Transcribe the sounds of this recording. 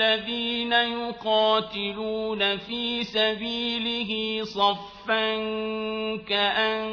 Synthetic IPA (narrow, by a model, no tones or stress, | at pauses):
aðiːnajʊqɑːt̪ɪluːnafiːsabiːlɪɦisˤɑfːan | kaʔan